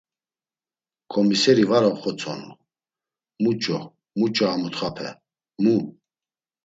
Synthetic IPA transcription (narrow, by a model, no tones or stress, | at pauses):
kʰʼɔmisɛɾivaɾɔχɔt͡sʰɔ̰nu | mut͡ʃʼɔ | mut͡ʃʼaːmɔt̪χapʰɛ̰ | mu